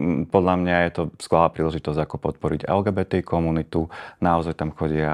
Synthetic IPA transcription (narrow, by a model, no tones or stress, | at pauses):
pɔd̪ʎamɲajɛt̪ɔsklalaːpɾiːlɛʒit̪ɔzɟakɔpɔt̪̚pɔɾḭɟɛ̰lɡɛːbɛt̪ɛkɔmunit̪unaɔzajt̪amxɔɟɪa